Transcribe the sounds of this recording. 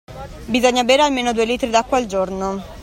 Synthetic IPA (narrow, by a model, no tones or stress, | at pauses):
bizoɲːaveːɾealmeːnod̪uːeliːt̪ɾid̪akːwald͡ʒorno